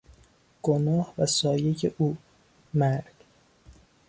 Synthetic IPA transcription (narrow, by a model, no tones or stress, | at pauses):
ɡ̥onɒːhvæsɒːjeceʔuː | mæɾd̪̥